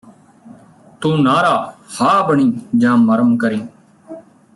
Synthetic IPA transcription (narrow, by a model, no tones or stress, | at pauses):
t̪uːnaːɾaːhaːbəɳĩːd͡ʒãːməɾəmkəɾiː